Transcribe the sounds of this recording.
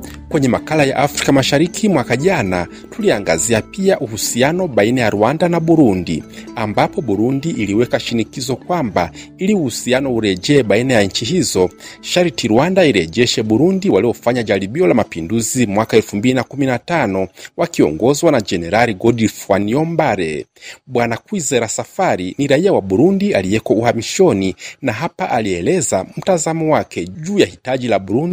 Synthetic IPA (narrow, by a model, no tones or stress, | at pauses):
kwɛɲɛmakalajaʔafɾikamaʃaɾikʰimwakaʄana | tuliaŋɡaziapiaʔuhusianɔɓainajaɾuwandanaɓuɾundḭambapɔɓuɾundiʔːliwɛkaʃinikizɔkwambailiuhusianɔuɾɛd͡ʒɛːɓainajaɲ̩t͡ʃiɦizɔʃaɾitiɾuwandaiɾɛʄɛʃɛɓuɾundiwaliɔfaɲad͡ʒaliɓiɔlamapinduzimwakaɛlfumbilinakuminatanɔwakiɔ̰ŋɡɔzwanad͡ʒɛnɛɾaliɡɔdifwanjɔmbaɾɛ̰ɓwanakwizɛɾasafaɾiniɾaiawaɓuɾundialijɛkɔuhamiʃɔninaɦapaʔaliɛlɛzam̩tazamɔwakɛʄuːjahitad͡ʒilaɓuɾundi